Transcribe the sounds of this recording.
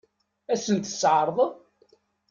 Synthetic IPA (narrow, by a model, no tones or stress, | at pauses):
æsənt̪ə̥sʕɾˤðˤəðˤ